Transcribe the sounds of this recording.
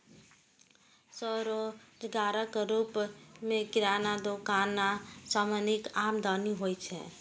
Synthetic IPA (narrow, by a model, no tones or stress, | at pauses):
sɔɾod͡ʒɡaːɾəkɾuːpmẽkɪɾaːnad̪okaːnːasaːmanikaːmd̪ɔːniɦoːjt͡ʃʰɛ̰̃